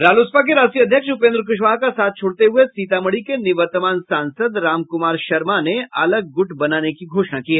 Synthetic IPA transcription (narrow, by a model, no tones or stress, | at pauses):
ɾaːluspak̬eɾaːsiɐd̪ʱjəkʃʊpẽːnd̪ɾk̬ʊʃ̬ʋaːɦkasaːt̪̚ʰt͡ʃʰoːɽt̪eɦʊesiːt̪aməɽikenɪʋəɾt̪əmaːnsãːnsəd̪ɾaːmkʊmaːɾʃɐɾmaneɐləɡ̚ːʊʈʰbɐnaːnekiɡʱoːʃnakiɦɛː